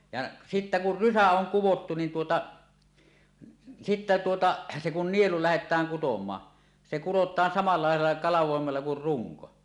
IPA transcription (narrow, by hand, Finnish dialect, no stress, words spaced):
jɑ sitːæ kur rysæ oŋ kuwotːu nin tuotɑ sitːæ tuotɑ se kun nielu læhetˑæːŋ kutomˑɑː se kurotˑɑːn sɑmɑlɑ lɑˑelˑɑ kɑlɑʋˑoˑemelːɑ kur ruŋko